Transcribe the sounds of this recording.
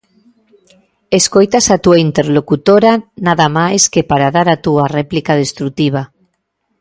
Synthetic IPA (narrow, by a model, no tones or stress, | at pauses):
eskojt̪asat̪uaint̪eɾlokut̪oɾanaðamajskepaɾaðaɾat̪uarɛplikað̞est̪ɾut̪iβ̞a